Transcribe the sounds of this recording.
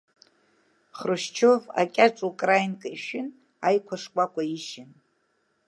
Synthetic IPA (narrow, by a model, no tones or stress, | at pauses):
χrɨʃt͡ʃʰova̰kʲʼaʈ͡ʂʼukʼrajnkʼaiʃᶣɪn | ajkʷʰaʂkʷʼakʷaiʃɪn